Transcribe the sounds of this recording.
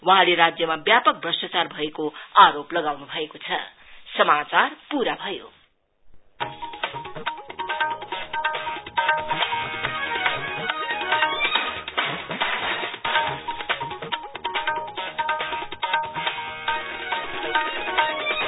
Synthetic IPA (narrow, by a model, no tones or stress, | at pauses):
waɦãlerad͡zjʌmabjapʌk̚brʌsʌt͡sarbʱʌekoaɾoplʌɡawnubʱʌekot͡sʰʌ̰ | sʌmat͡sarpuɾabʱʌjo̰